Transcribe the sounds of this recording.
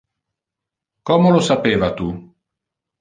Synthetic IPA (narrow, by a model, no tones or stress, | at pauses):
kɔmolosapeːvat̪u